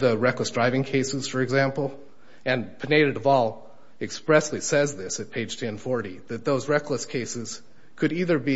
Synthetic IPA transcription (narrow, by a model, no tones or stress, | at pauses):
ðɨɹɛkləsd̥ɹaɪvɪ̃ŋkʰeɪsɨz̥fə˞ɨɡzæ̃mpl̩ˠ | ɨ̃npʰɨneɪɾɨɾʌvɔlˠ | ɨkspɹɛsˡlisɛzðɪsɨt̚pʰeɪd̥ʒ̥tʰɛ̃nfɔɹɾiðɨt̪̚ðoʊzɹɛkləskʰeɪsɨz̥ | kʰɨɾiðə˞bi